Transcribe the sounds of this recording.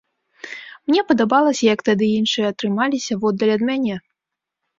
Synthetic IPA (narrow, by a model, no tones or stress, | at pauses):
mnʲɛpɐd̪abalˠɐsʲɐjɐkt̪ad̪ɨjinʂɨjɛɐt̪ɾɨmalʲisʲɐvɔd̪ːɐlʲɐd̪mʲanʲɛ